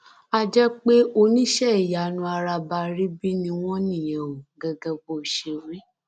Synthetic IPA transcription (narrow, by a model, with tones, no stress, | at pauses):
a˦d͡ʒɛ˦k͡pe˦o˧nĩ˦ʃɛ˦i˨ja˨nũ˧˦a˧ɾa˧ba˧ɾi˦bi˦nĩ˧w̃ɔ̃˦nĩ˦˨jɛ̃˨wo˨ɡɛ˧ɡɛ˧ɡ͡bo˦˨ʃe˧˨ɾ̃ĩ˦